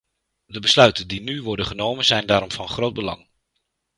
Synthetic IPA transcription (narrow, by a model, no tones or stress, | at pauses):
dəbəslœɥtəndinyʋɔɹdənχənowmənzɛjndaːɾɔmvɑnχrowt̚bəlɑ̰ŋ